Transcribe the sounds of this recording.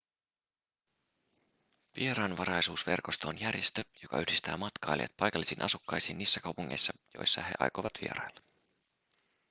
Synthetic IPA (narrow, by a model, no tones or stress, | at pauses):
ʋie̞ɾɑːnʋɑɾɑjsuːsʋe̞rko̞st̪oonjærjest̪øjo̞kɑ̰yhdist̪æːmɑt̪kɑjlḛt̪̚pɑjkɑlːisiːnʔɑ̰sukːɑjsiːnːiːsːækɑwpuŋːḛjsːɑjo̞̰jsːɑ̰he̞̰ʔɑ̰jko̰ʋɑt̪ʰʋḭeɾɑjlːɑ